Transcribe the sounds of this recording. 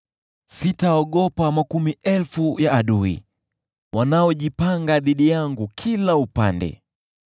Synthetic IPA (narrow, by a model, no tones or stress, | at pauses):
sitaɔɠɔpamakumiʔɛlfujaːɗuḭ | wanaɔʄipaŋɡaðiɗijaŋɡukʰilaupa̰ndɛ̰